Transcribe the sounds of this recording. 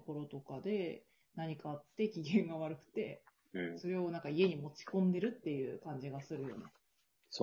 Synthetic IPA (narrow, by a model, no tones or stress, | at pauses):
ko̞ɾo̞t̪o̞kad̪e̞ | naɲ̟ikaːt̪ːe̞kʲiɡʲẽ̞ŋɡaβ̞aɾɯ̟kɯ̟̥t̪e̞ | so̞ɾe̞o̞nãŋkaie̞ɲ̟imo̞t͡ɕi̥kõ̞nd̪e̞ɾɯ̟t̪ːe̞jɯ̟kãɲ̟d͡ʑiɡasɨɾɯ̟jo̞ne̞ | s